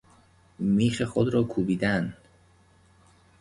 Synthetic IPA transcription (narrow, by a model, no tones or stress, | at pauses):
miːxexod̪ɾɒːkʰuːbiːd̪æn